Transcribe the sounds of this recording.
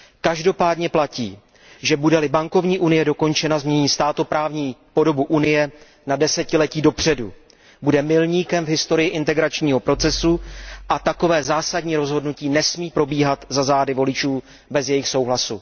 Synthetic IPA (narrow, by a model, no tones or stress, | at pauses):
kaʒdo̞paːdɲɛplaciː | ʒɛbudɛlɪbaŋko̞vɲiːʔunɪjɛdo̞ko̞nt͡ʃɛnazmɲɛɲiːst̪aːt̪o̞pɾaːvɲiːpo̞do̞buʔunɪjɛ | nadɛsɛcɪlɛciːdo̞pr̝̥ɛdṵ | budɛmɪlɲiːkɛmvɦɪst̪o̞ɾɪjɪʔɪnt̪ɛɡɾat͡ʃɲiːɦo̞pɾo̞t͡sɛsuʔat̪ako̞vɛːzaːsadɲiːɾo̞zɦo̞dnuciːnɛsmiːpɾo̞biːɦat̪zazaːdɪvo̞lɪt͡ʃuː | bɛzjɛjɪxso̞wɦlasu